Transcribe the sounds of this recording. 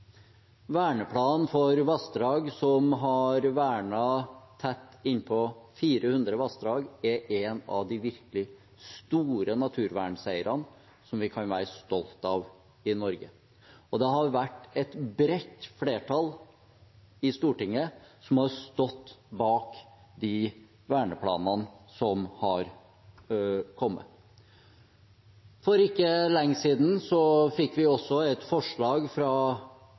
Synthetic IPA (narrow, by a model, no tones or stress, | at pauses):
ʋæːɳəpʰlɑːnfɔɾʋɑsd̪ɾɑːɡsɔmɦɑɾʋæːɳɑt̪ʰɛt̪ːɪnːpʰɔfiːɾəhʉnd̪ɾəʋɑsd̪ɾɑːɡɛʔɛnɑ̰ʋd̪ɪʋɪɾklɪ | st̪uːɾənɑt̪ʰʉːɾʋæːɳsæɪəɾɑn | sɔmʋɪkʰɑnʋæːɾəst̪ɔlt̪ɑʋ | ɪnɔɾɡə | ɔd̪ɛɦɑɾʋæʈːɛt̪bɾɛt̪ːfleːʈʰɑl | ɪst̪uːʈɪŋːəsɔmhɑɾst̪ɔt̪ːbɑːkd̪ɪ | ʋæːɳəpʰlɑ̰ːnənsɔmhɑɾ | kʰɔmːə̰ | fɔɾɪkːəlɛŋːsiːd̪n̩sɔfɪkːʋɪɔsːɔɛt̪fɔʂɭɑːɡfɾɑ